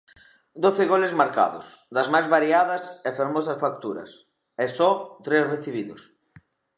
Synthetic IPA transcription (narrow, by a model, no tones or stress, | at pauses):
d̪oθɪɣolezmaɾka̰ðʊ̰s | ðɐzmajzβaɾiaðɐsefeɾmɔsɐsfak̚t̪uɾɐ̰s | esɔt̪ɾesreθiβ̞iðʊs